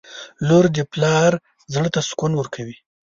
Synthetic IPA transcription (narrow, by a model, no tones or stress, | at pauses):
loɾd̪əplɑɾ | zɽət̪askunwəɾkʰawi